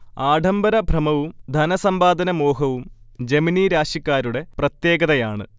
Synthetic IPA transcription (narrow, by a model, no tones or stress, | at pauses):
aːɖʱɐmbɐɾɐbʱrɐmɐʋumd̪ʱɐnɐsɐmbaːd̪ɐnɐmoːɦɐʋumd͡ʑeminiɾaːɕjikʲːaːɾuɽe̞prɐt̪je̞ːɡɐðɐjaːɳɨ̰